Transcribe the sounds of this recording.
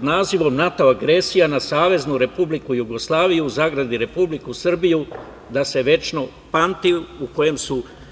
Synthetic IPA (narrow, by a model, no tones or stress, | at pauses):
d̪naːziʋo̞mnat̪o̞aɡɾe̞sijanasaːʋe̞znuɾe̞publikujuɡo̞slˠaːʋijuːzaːɡɾad̪iɾe̞publikusr̩biju | d̪ase̞ʋe̞t͡ʃno | pant̪iuko̞je̞msu